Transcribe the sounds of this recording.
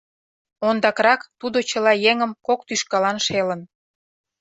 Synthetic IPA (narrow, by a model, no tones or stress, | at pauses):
ond̪ɑkrɑkt̪ud̪ot͡ɕəlɑjeŋəmkok̚t̪yʃkɑlɑnʃelə̆n